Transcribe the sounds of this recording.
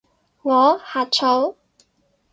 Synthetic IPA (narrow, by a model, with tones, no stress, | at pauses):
ŋɔː˨˧haː˨t͡ʃʰo˨˧˥w